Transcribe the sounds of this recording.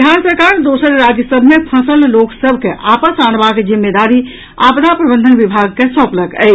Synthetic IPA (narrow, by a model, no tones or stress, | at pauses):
ansəɾkaɾd̪osəɾɾad͡ʒəsəbʱmepʰəsəlloksəbʱkeʔapəsanbaked͡ʒimːed̪aɾi | apnapɾəbə̃nd̪ʱənʋibʱaɡ̚kesɔ̃pləkɛ̰